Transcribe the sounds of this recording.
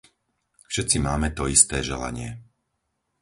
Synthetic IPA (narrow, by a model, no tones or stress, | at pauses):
fʃɛt̪t͡simaːmɛt̪ɔist̪ɛːʒɛla̰ɲɪɛ